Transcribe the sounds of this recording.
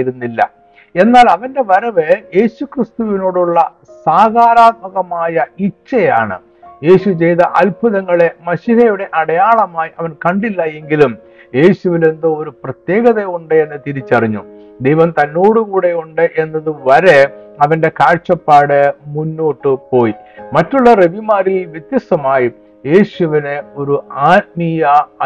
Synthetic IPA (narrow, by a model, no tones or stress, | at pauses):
ɾunːilːɐ̰ | e̞nːaːlɐʋɐnde̞ʋɐɾɐʋɨje̞ːɕukrist̪uʋino̞ːɽuɭːɐ | saːɡaːɾaːt̪̚mɐɣɐmaːjɐit͡ɕːɐja̰ːɳɨ̰ | je̞ːɕut͡ɕe̞jt̪ɐʔɐlpʰɐðɐŋːɐɭemɐɕiɦɐjuɽe̞ʔɐɽɐjaːɭɐmaːjiʔɐʋɐnkɐɳɖilːɐe̞ŋɡilum | je̞ːɕuʋile̞nd̪ɨo̞ɾuprɐt̪je̞ːɣɐðeuɳɖɨe̞nːɨt̪iɾit͡ɕːɐriɲːṵ | d̪e̞jʋɐmt̪ɐnːoːɽukuːɽe̞uɳɖɨʔe̞nːɐðɨʋɐɾe̞ɐʋɐnde̞kaːɻʂɐpːaːɽɨmunːoːʈːɨpo̞ːjimɐtːuɭːɐre̞ʋimaːɾilʋjet̪jɐst̪ɐmaːji | je̞ːɕuʋineo̞ɾuaːt̪̚mijɐ